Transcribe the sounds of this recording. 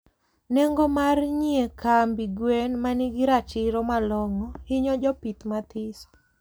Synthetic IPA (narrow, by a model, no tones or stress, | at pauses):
nɛŋɡɔmarɲiekʰambiɡwenmanɪɡɪɾat͡ʃɪɾɔmalɔŋɔhɪɲɔd͡ʒɔpit̪mat̪ɪsɔ̥